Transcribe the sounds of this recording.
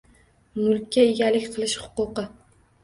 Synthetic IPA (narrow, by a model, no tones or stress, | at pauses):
mʊlˠkʲʰːaeɡʲalɪkʲqʰɨlˠɪʃhʊ̥qʊqɨ